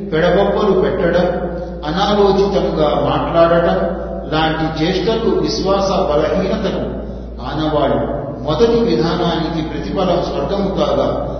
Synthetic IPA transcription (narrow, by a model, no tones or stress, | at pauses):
pɛɽɐbɐbːɐlupɛʈːɐɽɐm | ɐnaːloːt͡ʃit̪ɐmɡaːmaːʈlaːɽɐɽɐm | laːɳʈit͡ʃeːʂʈɐluʋiʃʋaːsɐbɐlɐɦiːnɐt̪ɐku | aːnɐʋaːɭːu | mɔd̪ɐʈiʋid̪ʱaːnaːnikipɾɐt̪ibɐlɐmsʋɐɾɡʱɐmkaːɡaː